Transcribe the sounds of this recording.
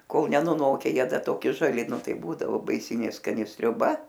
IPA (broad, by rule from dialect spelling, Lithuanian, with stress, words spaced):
ˈkoːlˠ nʲɛnʊˈnoːkʲɛ ˈjiɛ ˈdɐ toːˈkʲɪ ʒɐˈlʲɪ ˈnʊ ˈtɐɪ ˈbuːdɐʋoː bɐɪˈsʲɪnʲeː skɐˈnʲɪ sʲrʲʊˈbɐ